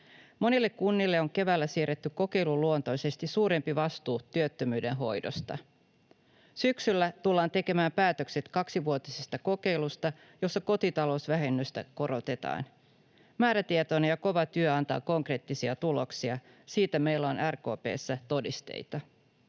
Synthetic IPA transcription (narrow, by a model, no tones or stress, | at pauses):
mo̞nilːe̞kkunːilːe̞o̞ŋke̞ʋæːlːæsiːɾet̪ːykko̞ke̞jluluont̪o̞jse̞st̪isuːɾe̞mpiʋɑst̪uːt̪yøt̪ːømyːde̞nɦo̞jdo̞̰st̪ɑ̰ | syksylːæt̪ulːɑːnt̪e̞ke̞mæːmpæːt̪ø̞kse̞t̪kɑksiʋuot̪isest̪ɑko̞ke̞jlust̪ɑ | jo̞sːɑko̞t̪it̪ɑlo̞usʋæɦe̞nːyst̪æ̰ko̞ɾo̞t̪e̞t̪ɑ̰ːn | mæːɾæt̪iet̪oːnejɑko̞ʋɑt̪yøɑnt̪ɑ̰ːko̞ŋkre̞ːt̪ːisiɑt̪uloksiɑ | siːt̪æme̞jlːæonʔærko̞ːpe̞̰ːsːæt̪o̞dist̪e̞̰jt̪ɑ